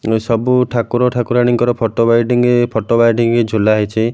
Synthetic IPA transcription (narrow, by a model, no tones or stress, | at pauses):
sɔbuʈʰakuɾɔʈʰakuɾaɽ̃iŋkɔɾɔpʰɔʈobajɖiŋepʰɔʈobajɖiŋed͡ʒʱolaɦet͡ʃʰe